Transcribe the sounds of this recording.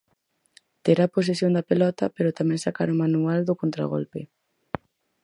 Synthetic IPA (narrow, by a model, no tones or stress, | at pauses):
t̪eɾapos̬esjond̪apelɔt̪apeɾot̪amɛ̃ŋsakaɾomanuald̪okont̪ɾa̰ɣ̞o̰lpe